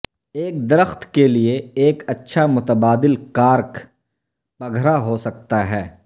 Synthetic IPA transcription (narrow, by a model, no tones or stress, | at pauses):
eːk̚d̪ɪɾəxt̪ʰkelieeːkɐtːʃʰamʊt̪əbaːd̪ɪlkaːɾk | pɐɡʱɾaɦosɐk̚t̪aɦɛː